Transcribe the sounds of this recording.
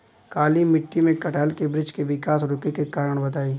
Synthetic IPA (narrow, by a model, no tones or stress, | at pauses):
kaːlimɪʈːimẽkɐʈəːlkebɾɪd͡ʒkeʋɪkaːsɾʊkekekaːɾəɽ̃bɐd̪aːiː